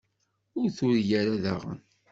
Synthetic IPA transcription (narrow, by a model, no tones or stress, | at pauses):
ʊɾθʊɾjæɾaða̰ʁə̰n